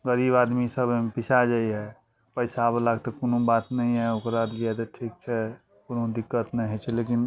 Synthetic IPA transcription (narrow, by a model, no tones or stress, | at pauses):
ɡəɾibad̪misəbmpisʰad͡ʒaiɦɛ | pəɪsablaɡt̪ɔkonobat̪nəĩɦɛokɾaliɛt̪ɔʈʰik̚t͡ʃʰɛ | konõd̪ikːət̪nəɦɛt͡ʃʰɛlekin